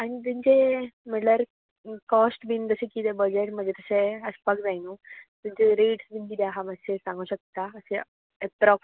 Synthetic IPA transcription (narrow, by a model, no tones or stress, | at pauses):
aɽ̃it̪̬uɲt͡ɕem̤əɳʈlaɾ | kɔsʈbind͡z̪əɕẽkit̪ebəd͡ʑeʈm̤əɳd͡ʑet̪əɕeəspakd͡zajnut̪uɲt͡ɕeɾeʈsbinkid̪aɦamasesãŋɡuɕək̚t̪aəse | et̪ɾɔk